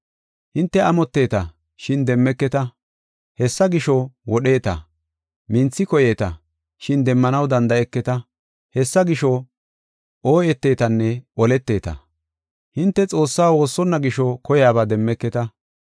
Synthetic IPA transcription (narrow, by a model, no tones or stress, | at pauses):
hɪnt̪ːɛɐmɔt̪ːe̞ːt̪ɐ | ʃɪnd̪ɛmːɛkːɛt̪ɐ | hɛsːɐɡɪʃɔwɔɗe̞ːt̪ɐ̰ | mɪnt͡sːɪkɔje̞ːt̪ɐ | ʃɪnd̪ɛmːɐnɐwd̪ɐnd̪ɐɛkːɛt̪ɐ | hɛsːɐɡɪʃɔ | ʔoːjɛt̪ːe̞ːt̪ɐnːɛʔɔlɛt̪ːe̞ːt̪ɐ̰ | hɪnt̪ːɛt͡sʼo̞ːsːaːwo̞ːsːɔnːɐɡɪʃɔkɔjaːbaːd̪ɛmːɛkːɛt̪ɐ